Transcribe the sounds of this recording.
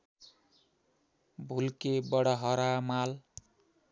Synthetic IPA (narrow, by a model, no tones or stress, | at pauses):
bʱulkebʌɽʌɦʌɾamal